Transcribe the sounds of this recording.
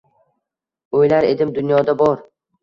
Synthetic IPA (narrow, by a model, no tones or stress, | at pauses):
ojlaɾe̞d̪ɪmd̪ʊnjɒd̪abɒɾ